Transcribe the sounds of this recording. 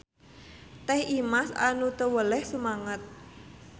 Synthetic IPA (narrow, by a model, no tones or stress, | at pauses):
t̪ɛhimasa̰nut̪əwəlɛhsumaŋət̪̚